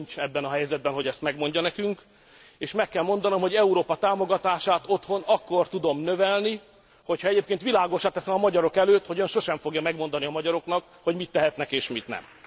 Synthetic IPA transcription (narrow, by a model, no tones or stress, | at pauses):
ɲt͡ʃɛbːɛnɒɦɛjzɛd̪̚bɛnɦo̞ɟɛst̪mɛɡmo̞ɲɟɒnɛkyŋk | eːʃmɛkːɛlmo̞nd̪ɒno̞mɦo̞ɟɛuɾoːpɒt̪aːmo̞ɡɒt̪aːʃaːt̪o̞t̪ho̞nɒkːo̞rt̪ud̪o̞mnøvɛlni | ho̞chɒɛɟeːp̚keːnt̪ʋilaːɡo̞ʃaːt̪ɛsɛmɒmɒɟɒɾo̞kɛløːt̪ho̞ɟøːnʃo̞ʃɛɱfo̞ɡjɒmɛɡmo̞nd̪ɒniɒmɒɟɒɾo̞knɒk | ho̞ɟmit̪ːɛɦɛt̪nɛkeːʃmit̪nɛ̰m